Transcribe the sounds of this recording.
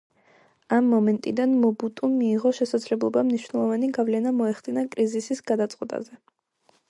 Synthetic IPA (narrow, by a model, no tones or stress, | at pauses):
amːɔmɛnt̪ʼid̪anmɔbut̪ʼumiːʁɔʃɛsad̪zlɛblˠɔbamniʃwnɛlˠɔvaniɡavlɛnamɔɛχd̪inakʼɾizisisɡad̪at̪sʼqʼwɛt̪ʼa̰zɛ